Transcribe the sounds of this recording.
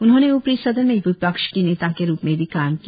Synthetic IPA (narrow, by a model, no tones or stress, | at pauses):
ʊnɦõːneʊpɾisɐd̪əɾmẽʋʊpəkʃkineːt̪akeɾuːpmẽbʱikaːmki